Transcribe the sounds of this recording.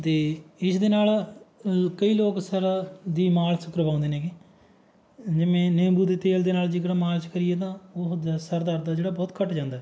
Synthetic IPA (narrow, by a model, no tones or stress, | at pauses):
t̪eːɪsd̪eːnaːl | kəiːloːksəɾd̪iːmaːlsəkəɾbaːʊ̃nd̪eːnẽːɡi | d͡ʒɪmẽːneːmbuːd̪eːt̪eːld̪eːnaːld͡ʒɪkɽaːmaːlt͡ʃkəɾɪjeːt̪̬ãːod̪səɾd̪aːɾd̪aːd͡ʒeːɽaːbɔːt̪kəʈd͡ʒãːnd̪aː